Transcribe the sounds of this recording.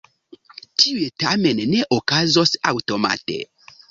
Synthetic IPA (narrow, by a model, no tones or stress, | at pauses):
tʰiwetamɛ̃nnɛʔokazɔsa̰wtoma̰tḛ